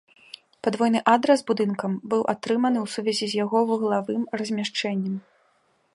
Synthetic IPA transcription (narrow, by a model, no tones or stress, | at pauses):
pad̪vɔjn̪ɨʔad̪ɾɛzbud̪ɨnkɐmbɨwʔat̪ɾɨmɐnɨwsuvʲɛzʲizʲjaɣɔvɨɣlˠavɨmrɐzʲmʲaʂt͡ʂɛnʲːɐm